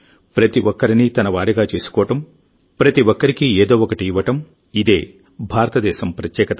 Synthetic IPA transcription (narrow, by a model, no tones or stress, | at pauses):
pɾɐt̪iʋʔɔkːɐɾinit̪ɐnɐʋaːɾiɡaːt͡ʃe̞ːsu̥kɔːʋɐʈɐm | pɾɐt̪iʋɔkːɐɾikieːd̪oːʋɔkɐʈiːʋːɐʈɐm | id̪e̞̰ː | bʱaːɾɐt̪ɐd̪ɛːʃɐmpɾɐt̪jɛːkɐt̪ɐ